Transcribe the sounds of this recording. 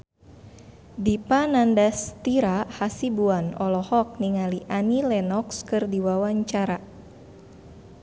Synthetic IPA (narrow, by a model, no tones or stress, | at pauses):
dipanandast̪iɾahasibuanɔlɔhɔk̚niŋaliʔanilɛnɔkskɨrdiwawaɲt͡ʃaɾa